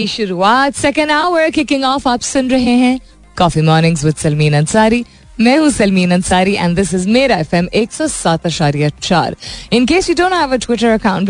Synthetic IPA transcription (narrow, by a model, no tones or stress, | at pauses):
iʃʊɾuaːt̪sɛkə̃nɖaʊəɾkɪkɪ̃ŋɡɔːfaːpsʊ̃nɾɐɦẽɦɛ̃ | kɔːfimɔːɾnɪ̃ŋɡzwɪd̪sɐlmĩːnɐ̃nsaːɾi | mɛ̃ːɦũsɐlmĩːnɐ̃nsaːɾiʔɛ̰̃nd̪ɪsɪzmeːɾaɛfɛ̃meːksɔːsaːt̪ɐʃaːɾijat͡ʃa̰ːɾɪ̃nkeːswiːdõːnʈ̚hæʋəʈʰwɪʈəɾɐkãʊ̃ɳʈ